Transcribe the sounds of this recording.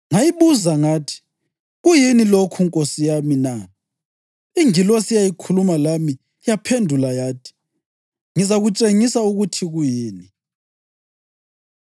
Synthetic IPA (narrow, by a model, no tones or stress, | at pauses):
ŋajiβuzaŋatʰi̥ | ɣujinilokʰuŋkʼosijamina | iŋilosijajikʰulumalami | japʰendʱulajaːtʰi̥ | ŋizaɣut͡ʃʼeŋisauɣutʰiɣujiːni